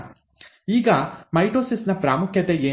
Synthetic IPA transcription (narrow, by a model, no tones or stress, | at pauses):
iːɡɐmɐjʈɾoːsisnɐpɾaːmukʰjɐt̪eeː